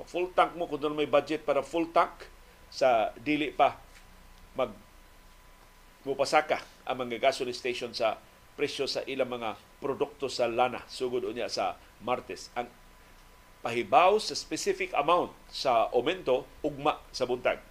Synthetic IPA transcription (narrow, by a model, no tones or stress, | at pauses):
pafult̪aŋk̚mokʊnt̪ʊnmajbad͡ʒɛt̪̚paːɾafult̪ak | sad̪iːlɪʔpa | maɡ̚ | mʊpasakaʔa̰ŋmaŋaɡasʊlɪst̪ejʃonsa | pɾɛsosa̰ʔilaŋmɐŋa | pɾod̪ʊk̚t̪osalana̰suɡʊd̪ʊɲjaʔsa̰ | maɾt̪ɛsʔaŋ | paɦɪbawsaspɛsɪfɪka̰mawnt̪̚saʔomɛnt̪oʔʊɡ̚maʔsabʊnt̪a̰ɡ̚